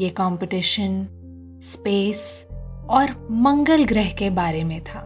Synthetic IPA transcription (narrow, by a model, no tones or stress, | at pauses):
jekɔ̃ːmpɪʈɪʃən | speːsɔːɾmɐ̃ŋɡəlɡɾɛɦkebaːɾemẽt̪ʰaː